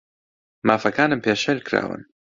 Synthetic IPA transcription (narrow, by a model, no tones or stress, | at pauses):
mafakaːnəmpjaʃɛlkɾa̰ːwə̰n